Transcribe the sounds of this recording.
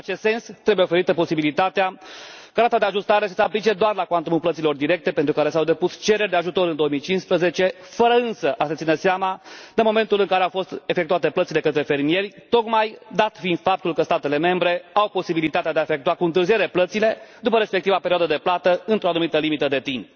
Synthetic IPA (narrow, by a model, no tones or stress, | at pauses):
at͡ʃe̞st̪se̞nst̪ɾe̞bujeofe̞ɾit̪əpo̞sibilit̪at̪eakəɾat̪ad̪eaʒust̪aɾesə̥seaplit͡ʃe̞d̪oarlakwant̪umuplət̪silo̞rd̪iɾe̞k̚t̪e̞pe̞nt̪ɾukaɾe̞sawd̪e̞pust͡ʃe̞ɾerʲd̪e̞aʒut̪o̞ɾɨnd̪ooəmijt͡ʃinspɾəze̞t͡ʃe̞ | fəɾəɨnsəʔasət̪sineseamad̪e̞mo̞me̞nt̪ulɨŋkaɾeawfo̞st̪e̞fekt̪uat̪e̞plət̪sile̞kət̪ɾe̞fe̞ɾmije̞rʲt̪o̞kmajd̪at̪find̪̥fap̚t̪ulkəst̪at̪e̞le̞me̞mbɾe̞awpo̞sibilit̪at̪ead̪eaefe̞kt̪uakuɨnt̪ɨɾrzie̞ɾe̞plət̪sile̞d̪upəɾe̞spe̞k̚t̪ivapeɾioad̪əd̪e̞plat̪əɨnt̪ɾo̞anumit̪əlimit̪əd̪e̞t̪imp